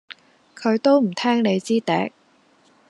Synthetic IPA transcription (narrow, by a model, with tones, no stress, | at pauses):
kʰɵ˨˧ɥt̪o˥wm̩˨˩t̪ʰɛː˥ŋne˨˧jt͡siː˥t̪ɛː˨˥k̚